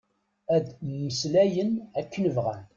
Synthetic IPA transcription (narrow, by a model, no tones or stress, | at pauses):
æd̪mːəslæjənækːənəvʁæn